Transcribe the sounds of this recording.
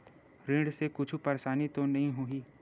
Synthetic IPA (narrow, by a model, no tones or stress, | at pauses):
ɾɪ̃ɖsekʊt͡ʃʰupɐɾʃaːnit̪õnɐɦĩɦuiː